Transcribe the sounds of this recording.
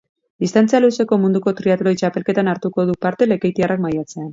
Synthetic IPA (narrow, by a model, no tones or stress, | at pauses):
d̪ist̪ant͡sijaluse̞ko̞mund̪uko̞t̪ɾiat̪ulojt͡ʃape̞lke̞t̪anaɾt̪uko̞ðupaɾt̪e̞le̞kejt̪iarakmajat͡se̞an